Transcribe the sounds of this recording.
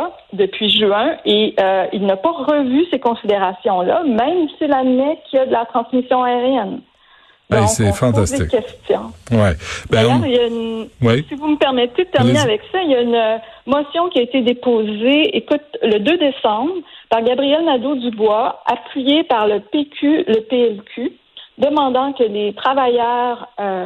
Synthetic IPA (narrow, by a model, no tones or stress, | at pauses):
d̪əpʰɥiʒyɛ̃eøilnapʌʁəvysekɔ̃sid̪eʁasjɔ̃lʌ̰mɛ̃msilanmɛkʲʰiad̪əlat̪χɑ̃smisjɔ̃aeʁjɛn | d̪ɔ̃sɛ̃fɑ̃t̪aslḛkʲɛst̪jɔ̰̃wɛb̪ajœʁiljaynwisivuməpɛʁmɛt̪ed̪ət̪ɛʁmiineavɛksaijaynømɔsjɔ̃kʲiaet̪ed̪epoːzeekʊt̪ləd̪ød̪esɑ̃bʁpaʁɡʲabʁijɛlnad̪od̪ybwaapʰɥijepaʁləpekʲʰyləpeɛlkʲʰy | d̪əmɑ̃d̪ɑ̃kəlet̪χavajœːʁø